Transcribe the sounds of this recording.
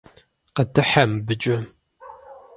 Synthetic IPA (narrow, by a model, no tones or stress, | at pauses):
qətʰɨħɐmbɨt͡ʃʼɐ